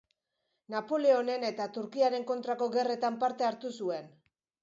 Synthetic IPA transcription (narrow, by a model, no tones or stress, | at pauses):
napo̞le̞o̞ne̞ne̞t̪at̪uɾkiaɾe̞ŋko̞nt̪ɾako̞ɣe̞re̞t̪ampaɾt̪e̞aɾt̪usue̞n